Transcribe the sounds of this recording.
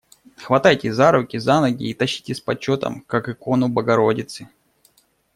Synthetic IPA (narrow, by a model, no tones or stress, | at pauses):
xvɐt̪ajtʲɪzaɾʊkʲɪzanɐɡʲɪ̰ːt̪ɐɕːi̥tʲɪsʲpɐt͡ɕːo̞t̪ə̰mkakɨko̞nʊbəɡɐɾo̞dʲɪt̪sɨ